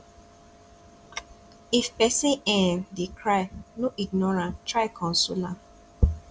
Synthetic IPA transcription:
ifpɛsĩɛ̃ndekʰɹaɪnoʔiɡ̚nɔɹãntɹaɪkʰɔ̃nsulã

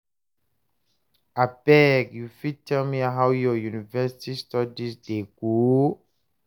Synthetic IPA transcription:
abɛɡjufid̚tʰɛlmiɦawjɔjunivɛsi̥tistɔdisdeɡ̥o

